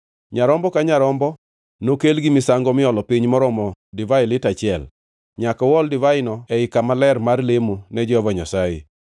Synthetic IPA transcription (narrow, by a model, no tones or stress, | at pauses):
ɲaɾɔmbɔkaɲaɾɔmbɔ | nokelɡɪmɪsaŋɡɔmɪɔlɔpiɲmɔɾɔmɔdivaɪlɪtat͡ʃɪɛl | ɲakɔwɔldɪvaɪnɔɛɪkamalɛrmarlemunɛd͡ʒɔvɔɲasaɪ